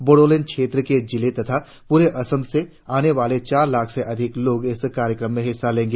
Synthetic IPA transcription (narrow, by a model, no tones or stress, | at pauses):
boɽoːlenkʃeːt̪ɾəked͡ʒɪlet̪ɐt̪ʰa | puːɾeʔɐsəmse | aːneʋaːlet͡ʃaːɾlaːkʰseʔɐd̪ʱɪkloːɡɪskaːɾjəkɾəmːẽɦɪsːalẽːŋɡe